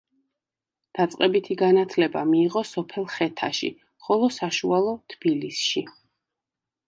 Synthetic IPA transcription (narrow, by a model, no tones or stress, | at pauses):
d̪̥at̪sʼqʼɛbit̪ʰiɡanat̪ʰlɛbamiːʁɔsɔpʰɛlˠχɛt̪ʰaʃḭ | χɔlˠɔsaʃualˠɔt̪ʰb̥ilisʃi